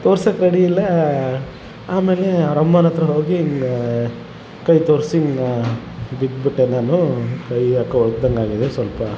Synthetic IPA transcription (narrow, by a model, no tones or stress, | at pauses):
t̪oːɾsɐkɾɐɽiilːɐ | aːme̞ːleɐɾɐmːɐnɐt̪ɾɐɦoːɡiŋ | kɐjt̪oːɾsiŋɡ | bid̪biʈːenaːnukɐjɐkːɐɔd̪̚d̪ɐŋɡaːɡid̪esʋɐlpɐ